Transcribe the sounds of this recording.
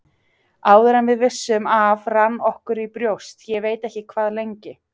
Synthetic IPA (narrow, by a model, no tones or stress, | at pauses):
aːwðɪɾanvɪðvɪsːʏmavranːɔhkʏɾipɾjowst̪jɛveːjt̪ɛhcɪkʰvaːðlejɲcɪ